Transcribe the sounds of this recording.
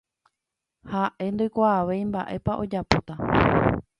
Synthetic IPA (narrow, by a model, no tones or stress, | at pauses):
haʔe̞nd̪ojkʷaːʋe̞jmbaʔe̞paʔo̞d͡ʒapot̪a